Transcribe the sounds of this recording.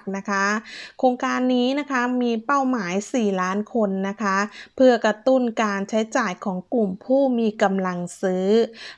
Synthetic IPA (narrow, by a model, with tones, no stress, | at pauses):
k̚na˦˥kʰa˦˥kʰoː˧ŋkaː˧nːiː˦˥na˦˥kʰa˦˥miː˧pa˥˩wmaː˩˦jsiː˨˩laː˦˥nkʰo˧nːa˦˥kʰa˦˥pʰɯ˥˩ɐkɾa˧t̪u˥˩nkaː˧nt͡ɕʰa˦˥jt͡ɕaː˨˩jkʰɔː˩˦ŋklu˨˩mpʰuː˥˩miː˧ka˧mla˧ŋsɯː˦˥